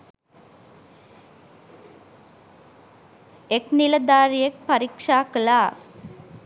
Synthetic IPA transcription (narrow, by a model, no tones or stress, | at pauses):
ekniləd̪aːɾijek̚pɐɾikʂaːkəlaː